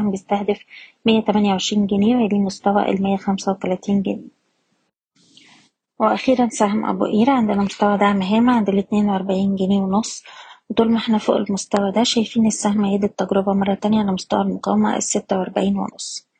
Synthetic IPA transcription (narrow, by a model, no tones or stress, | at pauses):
hmbejest̪æhd̪æfmejːæt̪æmænjæwʕeʃɾiːnɡæniːweliːmost̪æwæ̰ʔḛlmejːæxæmsæwet̪ælæːt̪iːnɡeniː | weʔæxiːɾænsæɦæmʔæ̰bṵʔiːɾæʕend̪enæmost̪æwæd̪aʕmɦeːmæʕend̪elːet̪neːnweʔɑɾˤbaʕiːnɡæniːwenosˤːwet̪ˤuːlmeħnæfo̰ʔḛlmost̪æwæd̪æʃæjfiːnesːæhmʕeːd̪et̪ːæɡɾobæmɑrˤːɑt̪ænjæʕalæmost̪æ̰wælmoqɑ̰wæmæ̰ʔḛsːet̪ːæwʔɑɾˤbaʕiːnwḛno̰sˤː